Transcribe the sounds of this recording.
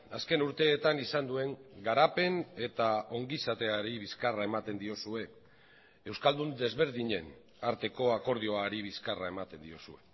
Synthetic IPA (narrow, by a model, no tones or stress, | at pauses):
aske̞nuɾt̪e̞ːt̪anisand̪ue̞ŋɡaɾape̞ne̞t̪ao̞ŋɡisat̪e̞aɾiβiskarae̞mat̪e̞nd̪io̞sue̞ | ewskald̪und̪e̞zβe̞ɾðiɲe̞n | aɾt̪e̞ko̞ako̞ɾð̞io̞aɾiβiskarae̞mat̪e̞nd̪io̞sue̞